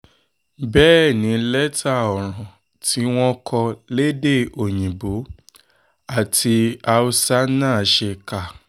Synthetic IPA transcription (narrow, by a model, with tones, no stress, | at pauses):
bɛː˦˨nĩ˨˦lɛ˦tʰa˦˨ɔ˨ɾ̃ɔ̃˨ | tʰi˦w̃ɔ̃˦kʰɔ˧le˦de˦˨o˨j̃ĩ˨bo˨˦ | a˦˨tʰi˧a˧u˧sa˦nãː˦˨ʃe˧ka˦˨